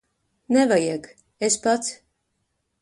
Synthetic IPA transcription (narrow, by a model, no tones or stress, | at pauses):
nɛvajik | espat̪s